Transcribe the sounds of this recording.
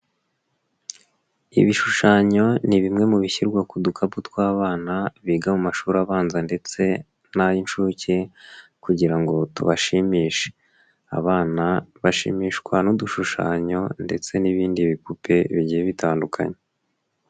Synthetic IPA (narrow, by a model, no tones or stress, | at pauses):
ḭβiʃuʃaɲo̞niβimŋe̞muβiçiɾɡwakudukʰabutkwaːβaːnaβiɡamumaʃuːɾaβaːnzande̞t͡se̞ | najinʃuce̞kuɟiɾaŋɡo̞tṵβaʃimiːʃe̥ | a̰βaːnaβaʃḭmiːʃkwanuduʃuʃa̰ːɲo̞nde̞t͡se̞niβiːndiβipupʰe̞βiɟijeβitʰaːndukʰa̰ɲe